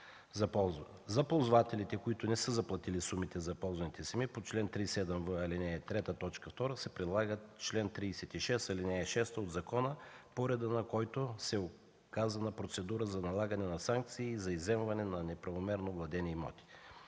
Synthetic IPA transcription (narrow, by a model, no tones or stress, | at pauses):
zɐpolˠzvat̪ɛlit̪ɛkoit̪ʊnɛsəzɐplˠɐt̪ilisumit̪ɛzɐpɔlˠzvɐnit̪ɛsɐmipot͡ʃlɛnt̪ɾisɛd̪ɛmvəɐlinɛt̪ɾɛt̪ət̪ɔt͡ʃkəft̪ɔɾəsɛpɾɛd̪lˠaɡət͡ʃlɛnt̪ɾiːsɛt̪iʃɛst̪ɐlinɛʃɛst̪od̪zɐkɔnəpoɾɛd̪ənɐkɔjt̪osɛo | kazɐnɐpɾot̪sɛd̪uɾəzɐnɐlˠaɡɐnɛnɐsaŋk̚t̪siːzɐizɛmvɐnɛnɐnɛpɾɐvomɛɾnovlˠɐd̪ɛnɛimɔ̰t̪i̥